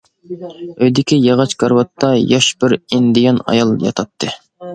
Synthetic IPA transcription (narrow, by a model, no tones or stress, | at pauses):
øjd̪ɪkʲijɑʁɑt͡ʃkɑɾwɑt̪ʰːɑjɑʃbɪɾind̪ɪjɑnɑ̰jɑlˠjɑ̰t̪ʰɑt̪ʰːɨ